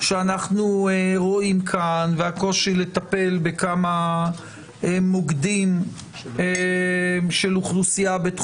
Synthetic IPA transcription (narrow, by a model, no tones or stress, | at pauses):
ʃeanaχnueʁo̞imkʰanveako̞ʃile̞t̪ape̞lbekama | moɡd̪im | e | ʃe̞luχlusiabet̪